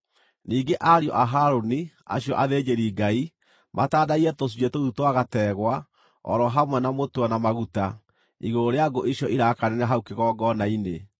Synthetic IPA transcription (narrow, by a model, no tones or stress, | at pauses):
niːɡeʔaɾjɔ̰ʔaɦaɾoni | a̰ɕjɔʔaðed͡ʒeɾiɡai | mʔataːdaiɾɛtos̬iɛtoðutwaɣatɛːɣwa | ɔ̰ɾɔɦamwɛnamotwanamaɣuta | iɣooɾeaɡoʔeɕjɔʔiɾakanɛnɛɦaukeɣɔːɡɔnaine